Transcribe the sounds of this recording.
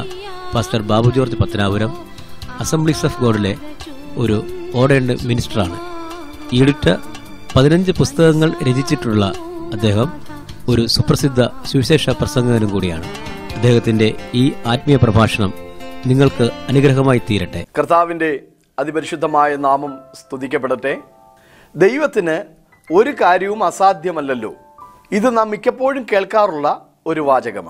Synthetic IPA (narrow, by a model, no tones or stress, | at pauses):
paːsʈɐrbaːbud͡ʑoːrt̪ːipɐt̪ːɐnaːʋɐɾɐm | ɐsembɭisefɡo̞ːɽile̞ | o̞ɾuo̞ːɖeɳɖɨminisʈɐraːɳɨ | iːɽutːɐ̰ | pɐðinɐɲd͡ʑɨpust̪ɐɣɐŋːɐɭɾed͡ʑit͡ɕːiʈːuɭːɐː | d̪ːe̞ːɦɐm | o̞ɾusuprɐsid̪ʱːɐswiɕe̞ːʂɐprɐsɐŋɡɐɣɐnumkuːɽija̰ːɳɨɐd̪ːe̞ːhɐt̪ːinde̞iːaːt̪̚mijɐprɐbʱaːʂɐɳɐmniŋːɐɭkɨɐnuɡɾɐɦɐmaːjit̪iːɾɐʈːḛkrt̪aːʋinde̞ | ɐd̪ibɐɾiɕud̪ʱːɐmaːjɐnaːmɐmst̪uðikʲːɐpːe̞ɽuʈːe | d̪ejʋɐt̪ːinɨ | o̞ɾukaːɾjɐʋumɐsaːd̪ʱjɐmɐlːɐlːo̞̰ː | iðɨnɐmːikʲːɐpːo̞ːɻumke̞ːɭkaːruɭːɐ | o̞ɾuʋaːd͡ʑɐɣɐ̰m